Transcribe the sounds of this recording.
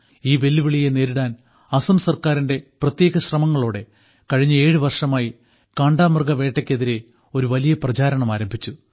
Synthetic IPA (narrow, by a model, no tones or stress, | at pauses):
iːʋe̞lːiʋiɭijene̞ːɾuɽaːn | ɐsɐmsɐrkaːɾinde̞prɐt̪jeːɣɐɕrɐmɐŋːɐɭoːɽe̞ | kɐɻiɲːɐe̞ːɻɨʋɐrʂɐmaːji | kɐːɳɖaːmɐrɡɐʋe̞ːʈːɐkʲːe̞ðiɾe̞ | o̞ɾuʋɐlijɐprɐt͡ɕaːɾɐɳɐmaːɾɐmbʱit͡ɕːu